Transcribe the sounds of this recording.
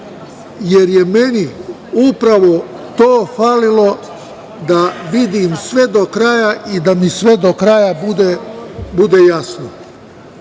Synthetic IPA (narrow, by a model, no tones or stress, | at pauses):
je̞ɾje̞meni | upɾaʋo̞ | t̪oːfaːlilo̞ | d̪aʋid̪iːmsʋe̞d̪okɾaːjaʔid̪amisʋe̞d̪o̞kɾajabud̪ebud̪ejasno